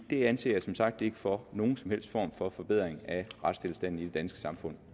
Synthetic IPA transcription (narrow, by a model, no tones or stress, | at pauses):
d̥e̝ænse̝̰ːjɑsɒ̽msɑ̈ɡ̥̚d̥e̝ɡ̥əfɒno̝ːn̩sɒ̽mhel̰sd̥fɒ̰ːmfɒ̽fɒ̽b̥eð̰ˠʁeŋ̩æʁad̥sd̥ʰe̝lsd̥æn̰n̩id̥e̝d̥ænsɡ̥ə̥sɑ̈mfɔ̽n̰